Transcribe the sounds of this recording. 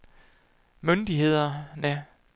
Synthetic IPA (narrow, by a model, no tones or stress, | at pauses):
mønd̥iɦe̝ð̞̰ˠɐnə